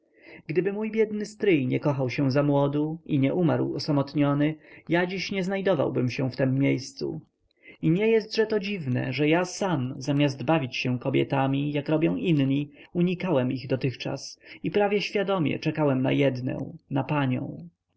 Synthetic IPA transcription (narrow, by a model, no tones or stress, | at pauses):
ɡd̪ɘbɘmujbʲjɛd̪nɘst̪ɾɘjɲɛkɔxawɕɛ̃zamwɔd̪uiɲɛʔumaɾwɔsamɔt̪ɲɔnɘjad͡ʑiɕɲɛznajd̪ɔva̰wbɘmɕɛ̃ft̪ɛmːjejst̪sṵ | iɲɛjɛst̪ʐɛt̪ɔd͡ʑivnɛ̰ʐɛjasamzamʲjazd̪bavʲit͡ɕɕɛ̃kɔbʲjɛ̰t̪amʲijakɾɔbʲjɔ̃w̃ʔinɲiuɲikawɛmiɣd̪ɔt̪ɘxt͡ʂa̰sipɾavʲjɛɕfʲjad̪ɔmʲjɛ̰t͡ʂɛkawɛmna̰jɛd̪nɛ̰w̃napaɲɔ̰̃w̃